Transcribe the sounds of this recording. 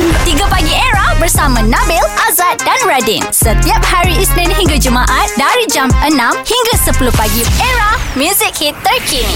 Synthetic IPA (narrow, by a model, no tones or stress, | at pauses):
t̪iɡəpaɡieɹahbərsamãnãbɛlʔazat̪̚danɹadinsət̪iap̚haɹiisnɛ̃nɦĩŋɡad͡ʒumãʔat̪̚daɾid͡ʒamənãmhiŋɡəsəpuluhpaɡieɹahmjuzɪk̚hit̪ːərkʰini